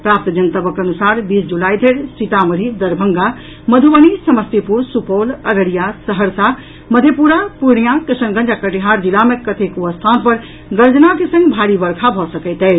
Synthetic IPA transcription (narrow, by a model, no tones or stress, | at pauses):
pɾaːp̚t̪d͡ʒənt̪əbəkənusaɾbiːsd͡ʒulaid̪ʱeɾsit̪aməɾʱid̪əɾbʱəŋɡa | məd̪ʱuʋənisəməst̪ipuɾsupoləɾəɽijasəɦəɾsa | məd̪ʱjepuɾapuɾɳijakɪsənɡə̃nd͡ʒakəʈiɦaɾd͡ʒilamekət̪ʰekuəst̪ʰanpəɾ | ɡəɾd͡ʒnakesə̃ŋɡbʱaɾibəɾkʰabʱɔsəkəɪt̪ɛ